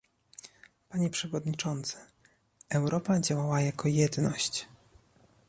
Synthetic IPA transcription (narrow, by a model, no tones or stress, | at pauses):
paɲɛpʂɛvɔd̪ɲit͡ʂɔnt̪sɛ̥ | ɛwɾɔpad͡ʑawawajakɔjɛd̪nɔɕt͡ɕ